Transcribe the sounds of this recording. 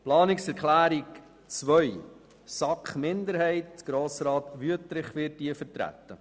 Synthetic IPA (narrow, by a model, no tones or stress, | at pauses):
plɑːnɪksɛɾkʰlæːɾik | t͡sʋœʏ | sɑkχmɪndəɾɦɛɪt̚ɡ̥ɾoːsɾɑːt̪ʋyətɾɪχʋɪtdiəfətɾæ̰t̪ːə